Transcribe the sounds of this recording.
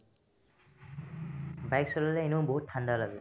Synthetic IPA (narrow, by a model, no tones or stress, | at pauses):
bajksɔlalɛenoʊboɦutʰːandalaɡɛ